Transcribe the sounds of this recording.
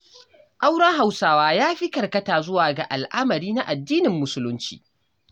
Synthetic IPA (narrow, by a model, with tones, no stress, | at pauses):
ʔa˦wɽɐ˦ŋɦa˨wsaː˦waː˦jaː˦ɸi˦kɐ˨rkɐ˦taː˨zʊ˦waː˨ɡa˨ʔa˨lʔa˦mɐ˨ɽiː˦na˦ʔa˨dːiː˦nɪ˨mːʊ˨sʊ˦lʊ˦nt͡ʃḭː˨